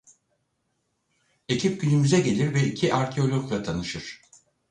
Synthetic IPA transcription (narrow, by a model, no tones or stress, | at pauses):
e̞cʰip̚ɟynymyzɛɟe̞lʲiɾvɛicʰiʔaɾcʰeo̞lʲoɾklˠat̪ʰanɯʃɯɾ̥